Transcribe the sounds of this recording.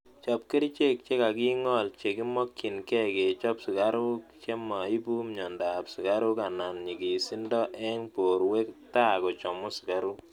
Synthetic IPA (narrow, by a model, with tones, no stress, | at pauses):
t͡ʃɔ˦p̚ke˦ɾi˦t͡ʃe˦k̚t͡ʃe˦ka˨ki˦ŋɔ˦˨lt͡ʃe˨ki˦mɔ˦kːi˨nkɛ˦ke˨t͡ʃɔ˦psi˨ka˦ɾʊ˦kt͡ʃe˦ma˨i˦bu˦mɲɔ˨nda˨psi˨ka˦ɾʊ˦ka˨na˨nɲi˨ki˨si˦ndɔ˦ʔɛ˦ŋpo˨ɾwe˦ktaː˦˨kɔ˨t͡ʃɔ˨mʊ˦si̥˨ka˦ɾʊ˦k